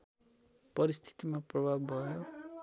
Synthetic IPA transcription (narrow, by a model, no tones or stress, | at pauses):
pʌɾist̪ʰi̥t̪imaprʌbʱabːʱʌjo